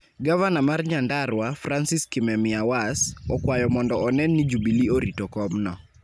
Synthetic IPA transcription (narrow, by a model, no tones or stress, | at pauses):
ɡavanamarɲandarwafransiskimɛmɪawasɔkwajɔmɔndɔɔnɛnːɪd͡ʒubilioɾitɔkɔmnɔ